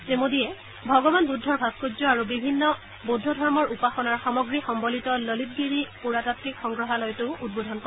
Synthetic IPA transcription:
temodijɛ | bʱɔɡɔbanbudʱːɔɹbʱaskozɔaɹubibʱinːɔ | budʱːɔdʱɔɹmɔɹupaxɔnaɹxɔmɔɡɹixɔmbɔlitɔlolit̚ɡiɹipuɹatatɹikxɔŋɡɹɔɦalɔjtʊud̚bodʱɔnkɔɛ

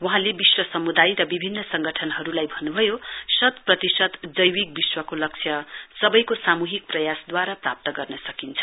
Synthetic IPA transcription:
wʌɦãlebiswʌsʌmud̪ajɾʌbibʱinːʌsʌŋɡʌʈʰʌnɦʌɾulajbʱʌnːubʱʌjosʌt̪prʌt̪isʌt̪d͡zʌjwik̚biswʌkolʌk̚t͡sʰjʌsʌbʌjkosamuɦik̚prʌjasd̪waɾaprap̚t̪ʌɡʌrnʌsʌkint͡sʰʌ̥

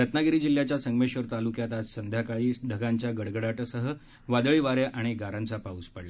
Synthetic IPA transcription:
ɾət̪naɡiɾiːd͡ʑil̤ːjat͡ɕjasəŋɡmeɕʋəɾt̪alukjat̪ad͡zsənd̪ʱjakaɭiːɖʱəɡaɲt͡ɕjaɡəɽɡəɽaʈəsəɦə | ʋad̪əɭiːʋaɾjaʔaɽ̃iɡaɾãnt͡sapauːspəɽla

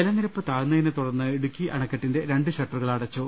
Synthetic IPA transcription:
elɐnːiɾɐpːɨt̪aːɻnːɐjinɨt̪uɽɐrnːɨeɽukʲːiʔɐ̰ɳɐkːɐʈːinde̞ɾe̞ɳɖɨɕɐʈːɐrɨɣɐɭɐɽɐt͡ɕːo

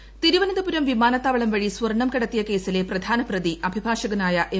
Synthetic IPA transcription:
t̪iɾuʋɐnɐd̪ɐpuɾɐmʋimaːnɐt̪ːaːʋɐɭɐmʋɐɻiswɐrɳɐmkɐɽɐt̪ːijɐke̞ːsile̞prɐd̪ʱaːnɐprɐd̪iʔɐbʱibʱaːʂɐɣɐnaːjɐʔe

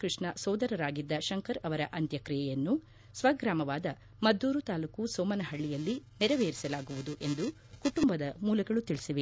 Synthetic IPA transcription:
kɾiʂɳɐsɔːd̪ɐɾɐɾaːɡid̪ːɐʃɐŋkɐɾɐʋɐɾɐʔɐnt̪jɐkɾijɛjɐnːu | sʋɐɡɾaːmɐʋaːd̪ɐ | mɐd̪ːuːɾut̪aːlukusoːmɐnɐɦɐɭːijɐlːinɛɾɐʋeːɾisɐlaːɡuʋud̪uʔe̞nd̪u | kuʈumbɐd̪ɐmuːlɐɡɐɭut̪iɭisiʋe

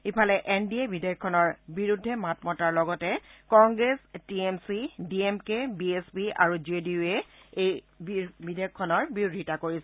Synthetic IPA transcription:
ipʰalɛʔendiebidʱeɔkʰːɔnɔɹbiɹudʱːɛmatmɔtaɹlɔɡɔtɛkɔŋɡɹestiemsidiemkebiesbia̰ɹuzedieej | bbidʱejɔkʰːɔnɔɹbiɹudʱitakoɹisɛ

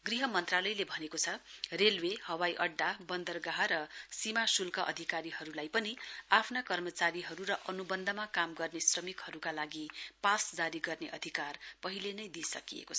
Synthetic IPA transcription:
ɡriɦʌmʌnt̪ralʌjlebʱʌnekot͡sʰʌrelwehʌwajʔʌɖːabʌnd̪ʌrɡaɦaɾʌsimasulkʌʔʌ̰d̪ʱikaɾiɦʌɾulajpʌniapʰnakʌrmʌt͡saɾiɦʌɾuɾʌʔʌnubʌnd̪ʱʌmakamɡʌrnesrʌmikhʌɾukalaɡipasd͡zaɾiɡʌrneʔʌ̰d̪ʱikarpʌɦilenʌjd̪isʌ̰kijḛkot͡sʰʌ

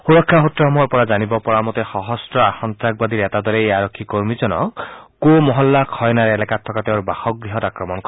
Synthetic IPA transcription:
xuɾɔkʰːaɦotɾɔɦɔmɔɾpɔɾad͡ʒanibɔpɔɾamɔt̪exɔɦɔsʈɾɔaxɔnt̪ɾak̚bad̪iɾet̪ad̪ʱɔɾeeaɾɔkʰːikoɾmid͡ʒɔnɔ̰komɔɦɔlːakʰɔjnaɾelakat̪ʰːɔkat̪eɔɾbaxɔk̚bɾiɦɔt̪akɾɔmɔnk

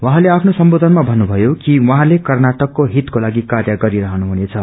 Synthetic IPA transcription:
wãɦãleapʰnosʌmbod̪ʱʌnmabʱʌnːubʱʌjokiwʌɦãlekʌrnaʈʌkːoɦit̪kolaɡikarjʌɡʌɾiɾʌɦʌnuɦunet͡sʰʌ

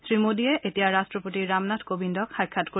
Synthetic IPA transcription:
sɹimodiɛʔetijaɹastɹɔpotiɹːamnatkobindɔkxajkʰːatko

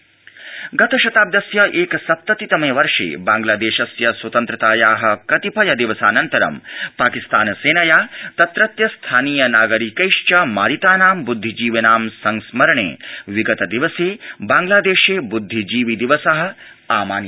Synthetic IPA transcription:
ɡɐt̪ɐʃɐt̪aːb̚d̪jɐsjɐʔeːkɐsɐp̚t̪ɐt̪it̪ɐmeːʋɐɾʂḛːbaːŋɡlaːd̪eːʃɐsjɐswɐt̪ɐnt̪ɾɐt̪aːjaːɦɐ̆kɐt̪ipʰɐjɐd̪iʋɐsaːnɐnt̪ɐɾɐ̰mpaːkist̪aːnseːnɐjaːt̪ɐt̪ɾɐt̪jɐst̪ʰaːniːjɐnaːɡɐɾikɐjʂt͡ʃɐmaːɾit̪aːnaːmbud̪ʱːid͡ʒiːʋɐnaːmsɐŋsmɐɾɐɳḛːʋiɡɐt̪ɐd̪iʋɐseːbaːŋɡlaːd̪eːʃeːbud̪ʱːid͡ʒiːʋid̪iʋɐsɐɦɐ̆aːmaːn

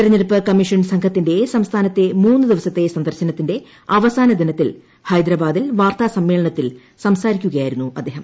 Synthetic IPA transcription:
iɾɐɲːeɽupːɨkɐmːiʂɐnsɐŋkʰɐt̪ːinde̞sɐmst̪ʰaːnɐt̪ːe̞muːnːɨd̪iʋɐsɐt̪ːe̞sɐnd̪ɐrɕɐnɐt̪ːinde̞ | ɐʋɐsaːnɐd̪inɐt̪ːil | hɐjd̪ɾɐbaːd̪ilʋaːrt̪aːsɐmːe̞ːɭɐɳɐt̪ːil | sɐmsaːɾikʲːuɣɐjaːjiɾunːuɐ̰d̪ːeːɦɐm

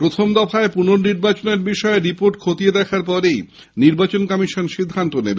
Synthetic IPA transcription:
pɾot̪ʰomd̪ɔfaepunoɾniɾbat͡ɕoneɾbiʃɔeɾipoɾʈkʰot̪ied̪ɛkʰaɾpɔɾej | niɾbat͡ɕonkɔmiʃonʃid̪ʱːant̪onebe

